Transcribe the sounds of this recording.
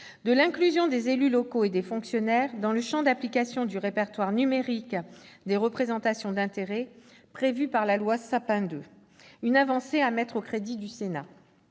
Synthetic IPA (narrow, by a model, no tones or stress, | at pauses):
d̪əlɛ̃klyzjɔ̃d̪ezelylɔkoed̪efɔ̃ksjɔnɛʁd̪ɑ̃ləʃɑ̃d̪aplikasjɔ̃d̪yʁepɛʁt̪waʁnymeʁikd̪eʁəpχezɑ̃t̪asjɔ̃d̪ɛ̃t̪eʁɛ | pχevypaʁlalwasapɛ̃d̪ø | ynavɑ̃seamɛt̪χokχed̪id̪ysena